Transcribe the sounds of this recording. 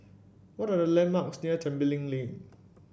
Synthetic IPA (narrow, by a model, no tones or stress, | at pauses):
wɔtadəlɛ̃nmaksniətʰɛ̃mbəlĩŋlin